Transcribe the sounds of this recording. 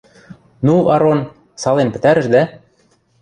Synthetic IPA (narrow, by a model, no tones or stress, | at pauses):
nuɑɾon | sɑlenpɘ̥̆t̪æɾə̆ʃd̪æ